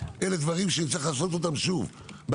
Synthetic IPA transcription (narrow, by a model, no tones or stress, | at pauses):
ʔele̞d̪vaʁimʃeit͡sliχlaːso̞t̪̬ot̪amʃuv | b